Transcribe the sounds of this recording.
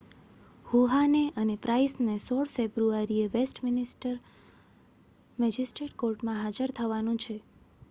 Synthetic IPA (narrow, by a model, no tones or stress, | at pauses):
huɦaneʔənepɾʔaisnesɔɭfebɾuaɾieʋesʈmɪnisʈəɾ | mɛd͡ʒisʈɾeʈkoɾʈmãɦad͡ʒəɾt̪ʰəʋanũt͡ʃʰe